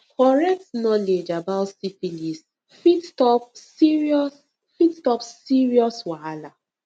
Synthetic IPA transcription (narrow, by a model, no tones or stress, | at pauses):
kɔɹɛk̚tnɔled͡ʒabaʊtsifilis | fittɔp̚iɹiɔs | fittɔpsiɹiɔswala